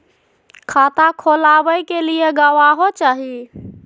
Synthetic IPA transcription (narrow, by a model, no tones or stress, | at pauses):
kʰat̪akʰolaʋəjkelieɡaʋaɦot͡ʃaːɦi